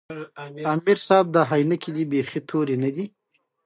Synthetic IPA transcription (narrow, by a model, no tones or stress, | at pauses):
amɪɾsɑb̚d̪əɦajnakilibexit̪ʰoɾenad̪i